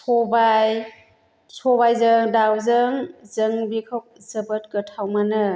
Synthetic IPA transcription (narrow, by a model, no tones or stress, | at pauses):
sʰɔbaj | sʰɔbajzɯŋdawzɯŋzɯŋbikʰawk̚z̥əbət̚kɯtʰawmanɯ